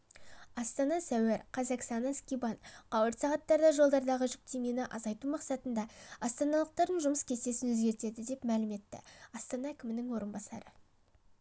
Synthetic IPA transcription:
ɑst̪ɑnɑsæweɾqʰɑzɑqst̪ɑnɑskʲibɑnqʰɑwəɾt̪sɑʁɑt̪ːɑɾd̪ɑʒo̞lˠd̪ɑɾd̪ɑʁəʒʏk̚t̪emenɪʔɑzɑjt̪umɑqsɑt̪ənd̪ɑɑst̪ɑnɑlˠəq̚t̪ɑɾd̪ənʒʊməskʲʰe̞se̞sɪnwɵzɡʲe̞ɾt̪e̞d̪ɪd̪e̞pmælɪme̞t̪ːɪ̰ɑst̪ɑnɑækʲɪmɪnɪŋwo̞ɾənbɑsɑ̰ɾə

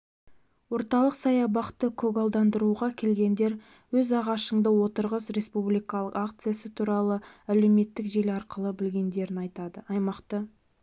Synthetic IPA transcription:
wo̞ɾt̪ɑlˠəqsɑjɑbɑqt̪əkʰɵɡolˠd̪ɑnd̪əɾuʁɑkʲʰe̞lɡʲe̞nd̪e̞ɾ | wɵzɑʁɑʃəɴd̪əwo̞t̪əɾʁəsɾe̞spublijkɑlˠəqak̚t̪sɨjasət̪ʰuɾɑlˠəæle̞wme̞t̪ːɪkʒe̞lɑɾqəlˠəbɪlɡʲe̞nd̪e̞ɾɪnɑjt̪ɑd̪əɑjmɑqt̪ə

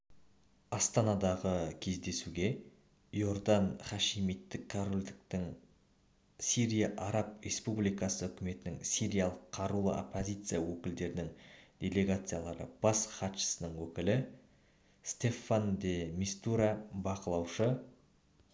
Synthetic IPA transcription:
ɑst̪ɑnɑd̪ɑʁəkʲʰe̞zd̪e̞suɡʲe̞ | jo̞ɾd̪ɑnχɑʃimit̪ːɪkʰːaɾolʲd̪ɪk̚t̪ɪŋ | sʲiɾijaʔɑɾɑp̚ɾʲe̞spublijkɑsəʏkʲɪme̞t̪ɪnɪŋsʲiɾʲijalˠəqʰːɑɾulˠə̰ʔo̰pʰːozʲijt̪sɨjawɵkʲɪld̪e̞ɾɪnɪŋd̪̥ʲe̞le̞ɡat̪sɨjalˠɑɾə̰b̥ɑsχɑt̪ʃə̥sənəɴwɵkʲɪlɪ | st̪e̞fand̪emist̪uɾabɑqəlˠɑwʃə

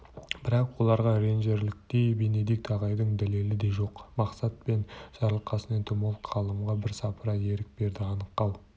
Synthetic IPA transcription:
b̥ɪɾɑqwo̞lˠɑɾʁɑɾe̞nʒe̞ɾlɪk̚t̪ejbene̞d̪ek̚t̪ʰɑʁɑjd̪əɴd̪æle̞lɪd̪e̞ʒo̞qmɑqsɑt̪̚pe̞nʒ̥ɑɾlˠqʰɑsənent̪ʰomolˠqʰɑlˠəmʁɑbɪɾsɑpəɾɑe̞ɾɪk̚be̞ɾd̪ɪɑnəq̚t̪ɑw

